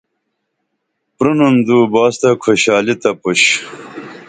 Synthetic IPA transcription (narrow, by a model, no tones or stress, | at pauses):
pɾunund̪uːbaːst̪ɐkʰoɕaːlit̪ɐpuɕ